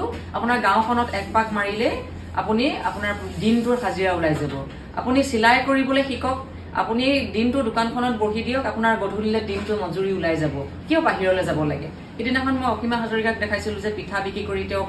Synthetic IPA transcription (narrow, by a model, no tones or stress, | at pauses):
ʊ | apʊnaɹɡãwkʰɔnɔtɛk̚pakmaɹilɛ | a̰punia̰pʊnaɹdintʊxaziɹaʊlajzabɔ | a̰punisilajkoɹibɔlojxikɔk̚ | a̰punidintʊdʊkankʰɔnɔt̚boɦidijɔkapunaɹbodʱulilɛdintʊmɔzuɹiulajzabɔ | kiɔpaɦiɹɔlɛzabɔla̰ɡɛ̰ | kidinɛxɔnmɔjɔxʰimaxazoɹikat̚dɛkʰajsilʊ̃zɛpitʰabikikoɹitɛʊ̃